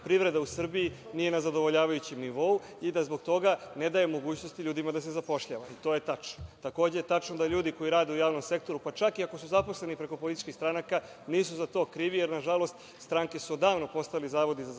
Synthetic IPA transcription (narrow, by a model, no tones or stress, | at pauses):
pɾiʋɾe̞d̪ausr̩biinije̞nazad̪o̞ʋo̞ʎaːʋajut͡ɕemniʋo̞u | id̪azbo̞ɡ̚t̪o̞ɡane̞d̪ajemo̞ɡuːt͡ɕno̞st̪iʎuːd̪imad̪ase̞zapo̞ʃʎaʋait̪o̞je̞t̪at͡ʃnot̪ako̞ːd͡ʑejet̪at͡ʃnod̪aʎuːd̪iko̞jiɾaːd̪eujaːʋno̞mse̞k̚t̪o̞ɾupat͡ʃakiakosuzapo̞sle̞nipɾe̞ko̞poit̪it͡ʃkixst̪ɾanaka | niːsuzat̪o̞ːkɾiʋijeɾnaʒalo̞st̪ | st̪ɾaŋke̞suod̪aːʋno̞po̞st̪ailizaːʋo̞d̪iza